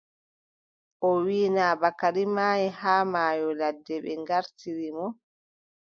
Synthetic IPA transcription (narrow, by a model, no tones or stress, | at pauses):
ʔɔwiːnaːbakaɾimaːjɛhaːmaːjɔladːɛɓɛ̰ŋɡaɾtiɾimɔ